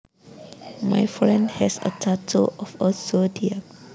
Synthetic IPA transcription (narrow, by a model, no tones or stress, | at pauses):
ma̰jfɹɛ̃ndhɛsə̰tʰatʰoʔɔfəsodiə